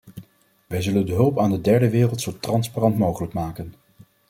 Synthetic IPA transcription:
ʋɛjzɵləndəɦɵlˠpaːndədɛɹdəʋɪːrəlˠtsowtrɑnsparɑntmowχələkmaːkən

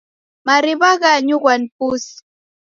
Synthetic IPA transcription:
maɾɪβɑɢɑɲoɢanpʊs

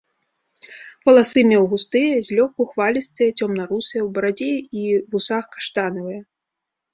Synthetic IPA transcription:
pɐlˠasɨmʲɛwɣust̪ɨjɐzʲlʲɔxkuxvalʲɐsʲt̪ʲɐjɐt͡sʲɔmnɐɾusɨjɛwbɐɾad͡zʲejivusaxkḁʂt̪anɨvɨjɛ

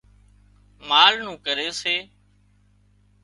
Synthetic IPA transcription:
maːlnũːkəɾeːseː

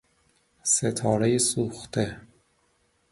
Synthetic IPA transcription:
set̪ʰɒːɾejesuːxt̪ʰe

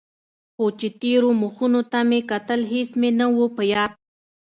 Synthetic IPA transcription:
xot͡ʃet̪eɾomuxunot̪amekat̪əlɦɪsmenəwopəjɑd̪̚

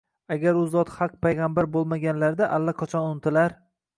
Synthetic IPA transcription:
aɡʲaɾʊzɒt̪χɑq̚pʰajʁɑmbaɾbolˠmaɡʲanlaɾd̪aʔalːaqʰɒt͡ʃʰɒnʊnt̪ʰɪlaɾ

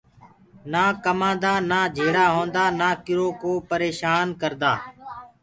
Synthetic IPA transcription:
naːkəmãːd̪aːnaːd͡ʒʱeːɽaːɦõːnd̪aːnaːkɪɾoːkoːpəɾeːʃaːnkəɾd̪aː

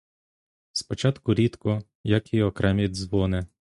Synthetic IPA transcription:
spɔt͡ʃɑt̪kʊɾʲit̪kɔ | jakiɔkɾɛmʲid̪ʲzʋɔnɛ

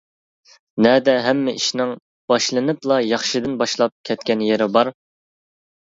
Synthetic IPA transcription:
nɛd̪ɛɦɛmːɪʔiʃnɪŋ | b̥ɑʃlˠɨnɨplˠɑjɑχʃid̪ɨnbɑʃlˠɑp̚kʲʰɛt̪̚kʲɛnjeɾɪbɑɾ

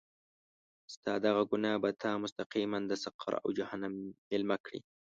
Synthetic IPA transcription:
st̪ɑd̪aɣaɡʊnabat̪ʰamʊst̪aqiːmand̪əsaqʰɑ̰ɾa̰wd͡ʒahanamɪlmakɽḭ

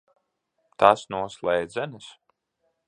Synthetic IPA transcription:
t̪asnuɔslˠɛjd̪zɛnɨs

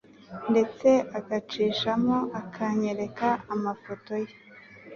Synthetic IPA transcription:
nde̞t͡se̞ʔakat͡ʃiːʃamoʔakʰaɲe̞ɾe̞kaːmafo̞to̞je

